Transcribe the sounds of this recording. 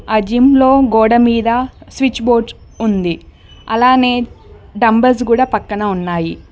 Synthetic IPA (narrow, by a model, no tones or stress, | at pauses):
aːd͡ʒimlo̞ːɡoːɽɐmiːd̪ɐsʋit͡ʃbo̞ːʈsund̪i | ɐ̰laːne̞ː | ɖɐmbɐɾs̬kuːɽaːpɐkːɐnɐunːaːji